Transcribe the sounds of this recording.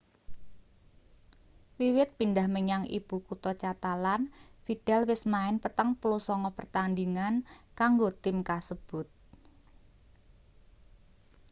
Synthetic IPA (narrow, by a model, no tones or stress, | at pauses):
wiwɪt̪̚pindahməɲaŋʔḭb̥ukut̪ɔt͡ʃat̪alanfid̪̥ɛlwɪsmaɪnpət̪əŋpulusɔŋɔpərt̪and̪iŋankaŋɡot̪ɪmkasəb̥ʊt̪̚